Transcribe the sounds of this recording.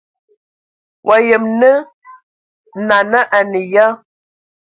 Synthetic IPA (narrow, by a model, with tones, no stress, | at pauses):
wʔa˨jə˨mnə˦ | na˨na˦ʔa˨nə˨ja˦